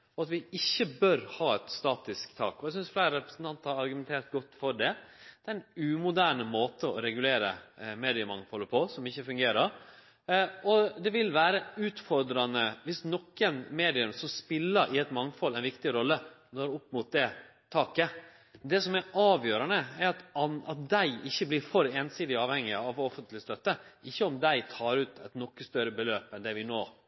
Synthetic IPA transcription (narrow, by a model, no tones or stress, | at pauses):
ɔɑt̪ʋɪɪçːəbœɾhɑːɛt̪st̪ɑːt̪ɪskt̪ʰɑːkɔæɪs̬ʏnsflæɪɾəɾɛpɾəsən̩t̪ɑnt̪əɾhɑɾɑɾɡʉmɛnt̪ʰeːɾt̪ɡɔt̪ːfɔɖɛd̪̥ɛæɛnʉmʊd̪æːɳəmoːt̪əɔ̰ɾɛɡʉleːɾə̰meːd̪ɪəmɑŋfɔləpʰɔsɔmɪçːəfʉŋɡeːɾəɾ | ɔd̪ɛʋɪlʋæːɾəʉːt̪fɔɾd̪ɾɑnəʋɪsnɔkːənmeːd̪ɪʉmsɔspɪlːəɾʔɪɛt̪mɑŋfɔlːɛɪnʋɪkt̪ɪɾɔlːə | noːɾʊpːmʊt̪̚d̪ɛ | t̪ʰɑːkə | d̪ɛsɔmɛɾʔɑːʋjøːɾɑnəæɾɑt̪ɑnɑt̪̚d̪æɪɪçːəblɪɾfɔɾeːnsiːd̪ɪɑːʋhɛŋːɪɑʋɔfənt̪lɪst̪œt̪ːəɪçːəɔmd̪æɪt̪ʰɑːɾʉːt̪ʰɛt̪nɔkːəst̪œɾəbəløːpɛnd̪ɛʋɪnoː